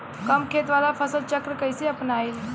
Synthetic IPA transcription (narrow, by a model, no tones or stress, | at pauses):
kəmkʰet̪ʋalapʰəsəlt͡ʃəkɾəkəjseɐpnaːil